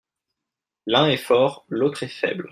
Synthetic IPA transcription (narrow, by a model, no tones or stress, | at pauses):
lɛ̃ɛfɔːʁlot̪χɛfɛ̰bl